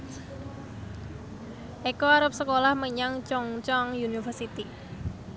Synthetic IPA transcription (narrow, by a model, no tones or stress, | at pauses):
ʔekoaɾəp̚səkolahməɲaŋt͡ʃɔŋt͡ʃɔŋjunifərsit̪i